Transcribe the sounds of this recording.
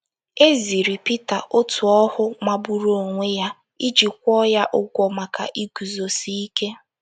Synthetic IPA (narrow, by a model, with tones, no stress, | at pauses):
e˦zi˨ɾi˨pi˦ta˨ʔo˦tʰu˨ɔ˦hʊ˦ma˨bu˦ɾo˨ŋʷe˦ja˦ | i˦d͡ʒi˨kʷɔ˦ja˦ʔʊ˦ɡʷɔ˨ma˨ka̰˨ʔi˦ɡ̥u˨zo˨si˦i˦ke˦